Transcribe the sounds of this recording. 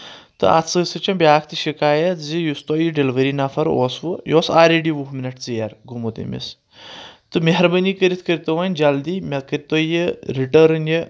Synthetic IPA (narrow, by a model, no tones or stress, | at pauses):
t̪ɨ̰ʔa̰t̪sɨsɨt͡ʃɐbʲjaːk̚ʰt̪ɨʃikaːjɐt̪zijust̪oːjiɖelʋəɾinɐfʰɐɾo̰ːsʋɨjoːsaːɾʲeɖiʋuɦminɐʈt͡sɨjaɾɡumot̪ə̰mʲḭs | t̪ɨmeɦɾbɐnikəɾit̪ʰkəɾʲit̪oʋɐnʲd͡ʒɐld̪iːmʲɐkəɾʲit̪oːjɨɾiʈɐɾɨnjɨ